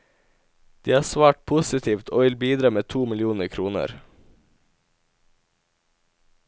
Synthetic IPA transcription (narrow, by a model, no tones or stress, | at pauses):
d̪̥iːhɑːsʋɑːʈ̚pʰʊsɪt̪ʰiːʋt̪ʰoːʋɪlbiːd̪ɾɑːmeːt̪ʰuːmɪlɪuːnəkʰɾuːnə̰ɾ